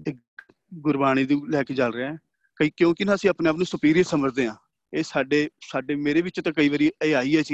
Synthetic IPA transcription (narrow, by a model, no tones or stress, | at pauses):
eː | ɡʊɾbaːñiːd̪ũːlɛːkeːt͡ʃəlɾeɛː | kəiːkjõːkɪnãːəsĩːaːpnẽːaːpnũːsʊpiːɾɪjəsəməd͡ʒd̪eːãː | eːsaːɖeːsaːɖeːmeːɾeːʋɪt͡ʃt̪ãːkəiːʋəɾiːeːaːiːɛːt͡ʃi